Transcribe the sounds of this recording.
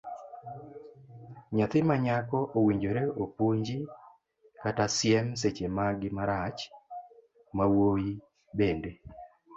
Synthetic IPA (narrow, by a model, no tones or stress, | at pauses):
ɲat̪ɪmaɲakɔʔowiɲd͡ʒoɾeopoɲd͡ʒi | katasjɛms̬et͡ʃemaɡɪmaɾat͡ʃ | mawoji | bende